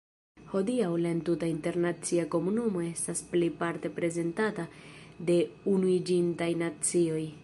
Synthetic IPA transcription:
ho̞diawlaintutainte̞ɾnat͡siako̞munumo̞e̞stasplejpaɾte̞pɾe̞ze̞ntatade̞unuid͡ʒintajnat͡sio̞j

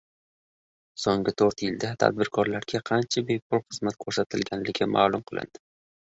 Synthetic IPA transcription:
soŋɡɪt̪ʰoɾt̪jɪld̪at̪ʰa̰d̪̚bɪɾkʰɒɾlaɾɡʲaqʰɑnt͡ʃʰabe̞pʰʊlˠχɨz̥mat̪̚kʰoɾsat̪ʰɪlɡʲanlɪkʲɪma̰ːlˠʊmqʰɨlˠɪ̰nd̪̥ɪ

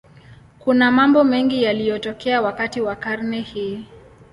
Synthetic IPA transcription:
kunamambɔmɛŋɡijalijɔtɔkɛawakatiwakaɾnɛhiː

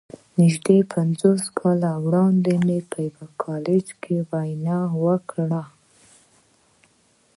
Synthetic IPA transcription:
nɪʒd̪epʰand͡zoskʰɑlawɽɑnd̪emepəjəwakʰɑled͡ʒkʰewajnɑwəkɽa

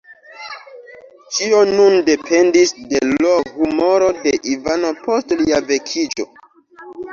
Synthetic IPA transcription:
t͡ʃio̞nunde̞pʰe̞ndisde̞lohumo̞ɾo̞de̞ʔivano̞po̞stliave̞kʰid͡ʒo̞̰

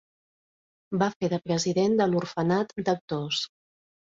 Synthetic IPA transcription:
bafeðəpɾəziðend̪əlurfənat̪d̪ək̚t̪os

